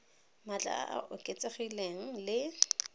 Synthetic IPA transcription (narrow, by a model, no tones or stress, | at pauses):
mat͡ɬʼa̰a̰ʔa̰ʔʊkʼet͡sʼeχileŋ̩lɪ